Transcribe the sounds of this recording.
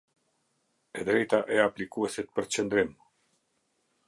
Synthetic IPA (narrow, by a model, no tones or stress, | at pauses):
ed̪ɾejt̪aʔeaplikueset̪̚pəɾt͡ʃend̪ɾem